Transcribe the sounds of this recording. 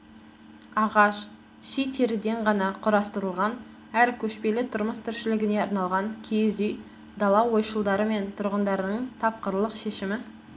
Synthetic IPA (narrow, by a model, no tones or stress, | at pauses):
ɑʁɑʃ | ʃijt̪ʰe̞ɾɪd̪e̞ɴʁɑnɑqʰʊɾɑst̪əɾəlˠʁɑn | æɾkʲʰɵʃpe̞lɪt̪ʰʊɾməst̪ʰɪɾʃɪlɪɡʲɪne̞ɑɾnɑlˠʁɑŋkʲʰejzij | d̪ɑlˠɑwo̞jʃəlˠd̪ɑɾəme̞nt̪ʰʊɾʁənd̪ɑɾənəɴt̪ʰɑp̚qəɾlˠəqʃe̞ʃɪmɪ